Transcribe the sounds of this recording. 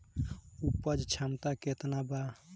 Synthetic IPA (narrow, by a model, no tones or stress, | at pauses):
upəd͡ʒt͡ʃʰamt̪aket̪naba